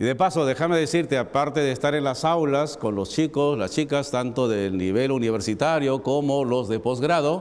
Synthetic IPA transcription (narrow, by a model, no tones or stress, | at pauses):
iðe̞paso̞ðe̞xameðesiɾt̪e̞apaɾt̪e̞ðeːst̪aɾe̞nlasawlasko̞nlo̞st͡ʃiko̞slast͡ʃikast̪ant̪o̞ðelniβ̞e̞luniβe̞ɾsit̪aɾjo̞ko̞mo̞lo̞zðe̞po̞zɣɾaðo̞